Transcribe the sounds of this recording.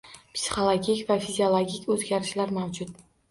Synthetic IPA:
psi̥χolˠoɡʲikʲvafizʲiolˠoɡʲikʲʰɵzɡʲaɾɪʃlaɾmawd͡ʒʊt̪̚

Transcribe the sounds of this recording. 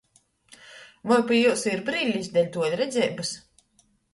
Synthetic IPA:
vɔjpijusiɾbɾiːlʲisd̪ʲɛlʲt̪uɔlʲɾɛd̪zʲɛːbɨs

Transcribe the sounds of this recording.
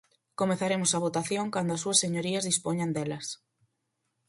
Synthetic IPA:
komeθaɾemʊsaβ̞ot̪aθjoŋkand̪oʊɐsːuɐseɲoɾiɐzðispoɲand̪elɐs

